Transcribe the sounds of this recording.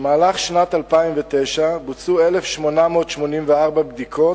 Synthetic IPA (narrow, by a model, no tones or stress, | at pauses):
maːlaχʃnat̪alpaimvet̪ejʃabut͡suelefʃmo̞namo̞ːtʃmo̞nimveaʁbabd̪ikʰo̞